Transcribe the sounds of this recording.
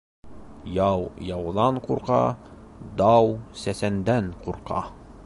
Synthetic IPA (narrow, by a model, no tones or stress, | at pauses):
jɑwjɑwðɑɴquɾqɑ̰ | d̪ɑwsæsænd̪æɴquɾqɑ̰